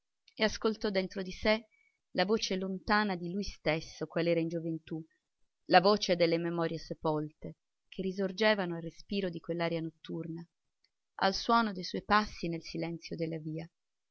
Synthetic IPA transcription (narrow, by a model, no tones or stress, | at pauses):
easkolt̪ɔd̪ent̪ɾod̪ise | lavoːt͡ʃelont̪aːnad̪ilujst̪esːokwalɛːɾaind͡ʒovent̪u | lavoːt͡ʃed̪elːememɔːɾjesepɔlt̪e | kʰerːizord͡ʒɛːvanoalrespiːɾod̪ikwelːaːɾjanot̪ːurna | a̰lswɔːnod̪ejsɔjpasːinelsilɛnt̪sjod̪elːaviːa